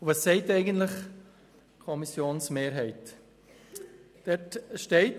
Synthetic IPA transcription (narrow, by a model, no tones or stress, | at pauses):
vɑsːɛɪtɛɪɡəntlɪχ | kʰɔmisjoːnsmeːɾɦɛɪt | d̥ɛtʃtɛɪt